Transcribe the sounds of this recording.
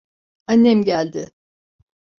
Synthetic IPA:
anːɛmɟælʲd̪ɪ

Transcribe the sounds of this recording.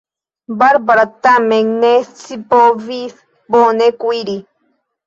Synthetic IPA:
baɾbaɾat̪ameŋnest͡sipoviθ | ponekʷiɾi

